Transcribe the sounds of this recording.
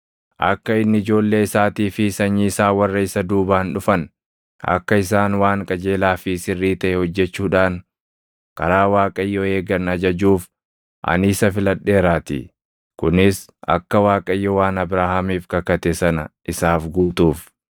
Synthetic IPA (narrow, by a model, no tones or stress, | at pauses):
ʔɐkːɐɪnːɪɪd͡ʒo̞ːlːe̞ːɪsaːt̪iːfɪsɐɲːiːsaːwɐrːɐɪsɐd̪uːbaːnᶑʊfɐn | ɐ̰kːɐɪs̬aːnwaːŋkʼɐd͡ʒe̞ːlaːfɪsɪrːiːt̪ɐʔɛhɔd͡ʒːɛt͡ʃːuːᶑaːn | kɐɾaːwaːkʼɐjːɔe̞ːɡɐnɐd͡ʒɐd͡ʒuːf | ʔɐ̰niːsɐfɪlɐᶑːe̞ːɾaːt̪ɪ̰ | kʊnɪs | ʔɐ̰kːɐwaːkʼɐjːɔwaːnɐbɾaːhamiːfkɐkːɐt̪ɛsɐnɐʔɪsaːfɡuːt̪uːf